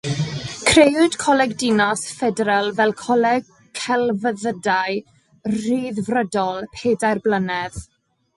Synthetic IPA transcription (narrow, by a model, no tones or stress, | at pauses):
kʰrejʊd̥kʰɔlɛɡdɪnɔsfɛdɾəlˠvɛlˠkʰɔlɛɡ | kʰɛlˠvəðədaj | r̥iːðvrədɔlˠpʰeːdajrblənɛð